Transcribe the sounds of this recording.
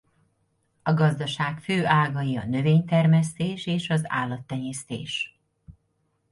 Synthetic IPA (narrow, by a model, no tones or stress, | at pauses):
ɒɡɒzd̪ɒʃaːkføːʔaːlɡɒjiɒ̰nø̞veːɲt̪ɛrmɛst̪eːʃeːʃɒza̰ːlːɒt̪ːɛɲeːst̪ḛːʃ